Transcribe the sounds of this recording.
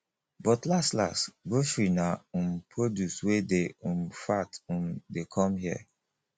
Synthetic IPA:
bɔtlastla̰sbofɹinaumpʰɹodjuswedeumfatũmdekʰɔ̃mɦiə̰

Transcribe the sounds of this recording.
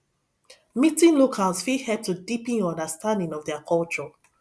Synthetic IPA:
mitĩŋlokʰalsfihɛp̚tʰudipĩnɔ̃ndəstãndɪ̃ŋɔvðɛkʰɔlt͡ʃɔ

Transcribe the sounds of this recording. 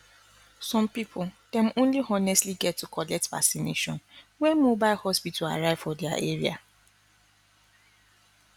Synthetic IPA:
sɔ̃mpipʰʊd̥ɛ̃mõnliɔnɛstliɡɛtːukʰɔlɛk̚tva̰ksinḛʃɔ̰̃nwɛmobaɪlhɔspitʰɔla̰ɹaɪv̥fɔdɛa̰ʔeɹḭa̰

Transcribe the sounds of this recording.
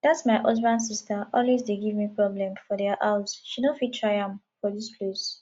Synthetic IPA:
d̪atsmaɪʔɔsbãns̬istəʔɔlwesdeɡivmipɹɔblɛ̃mfɔdɛʔaʊzʃinɔfiltʰɹaɪjãmfɔdispʰles

